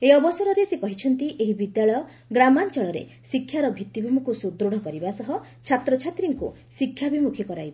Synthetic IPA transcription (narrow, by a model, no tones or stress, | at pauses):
eɔbɔsɔɾɔɾesekɔɦit͡ʃʰɔnt̪iʔeɦibid̪jaɭɔjɔ | ɡɾamant͡ʃɔɭɔɾḛ | sikʰːjaɾɔbʱit̪ːibʱumukusud̪ɾoɽ̤ɔkɔɾibasɔɦɔ | t͡ʃʰat̪ɾɔt͡ʃʰat̪ɾiŋkṵ | sikʰːjabimukʰikɔɾajba